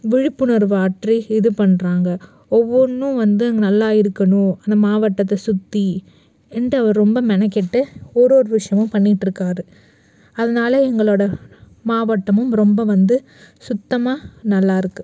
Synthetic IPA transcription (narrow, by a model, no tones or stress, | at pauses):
ʋɪɻɪpːɯnɐɾʋaːʈriɪðɯpɐɳːɾaːŋɡɐ | ɔʋːɔnːɯ̃ʋɐnd̪ɯɛŋɡɐnɐlːaːɪɾɯkːɐɳʊ̃ɐnd̪ɐmaːʋɐʈːɐt̪̬ːɐsʊt̪ːi | ɛndɐɐʋɐɾɾɔmbɐmɛnɛkːɪʈːɯɔɾoːɾɯʋɪʂɐjɐmɯ̃mpɐɳːɪʈːɾɯkːaːɾɯ | ɐðɐnaːlɐɛŋɡɐɭoːɽɐ | maːʋɐʈːɐmɯmɾɔmbɐʋɐnd̪ɯ | sʊt̪ːɐmaːnɐlːaːɪɾɯkːɯ